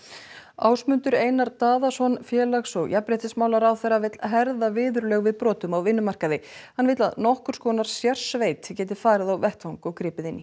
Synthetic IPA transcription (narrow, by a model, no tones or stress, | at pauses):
a̰ːwsmʏnt̪ʏɾeːjnaɾt̪aːðasɔnfjɛːlaxsɔɣjapɾejht̪ɪsmaːwlaɾawθejrːavɪt̪lɦɛɾðavɪːðʏɾlœɣvɪðpɾɔːt̪ʏmawvɪnːʏmar̥kaðɪhanːvɪːt̪laðnɔhkʏɾ̥skɔːnaɾ̥sjar̥sveːjt̪cɛːt̪̬ɪ̥faːɾɪðawvɛht̪hawŋkɔɣkɾɪːpɪðɪnːi